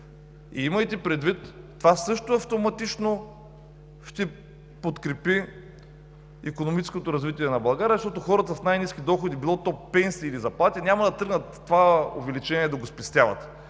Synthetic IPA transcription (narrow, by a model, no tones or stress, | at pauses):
ḭimɐjt̪ɛpɾɛd̪vit̪ː | vasɤʃt̪oɐft̪omɐt̪it͡ʃno | ʃt̪ɛ | pot̪kɾɛpi | ikonomit͡ʃɛ̥skot̪oɾɐzvit̪ʲiɛnɐbɐlˠɡaɾiɐzɐʃt̪ɔt̪oxɔɾət̪əsnajniskʲid̪ɔxod̪ibilˠɔt̪ɔpɛnsiːlizɐplˠat̪ʲinʲamɐd̪ɐt̪ɤɡnət̪ːovao̰vɛlit͡ʃɛniɛd̪ɐɡospɛst̪ʲavɐ̰t̪